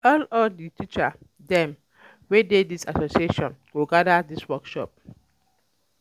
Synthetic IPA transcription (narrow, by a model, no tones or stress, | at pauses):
ɔlɔlditʰit͡ʃa | dɛ̃m | wededisasosieʃɔ̃nwuɡadadiswɔkʃɔp̚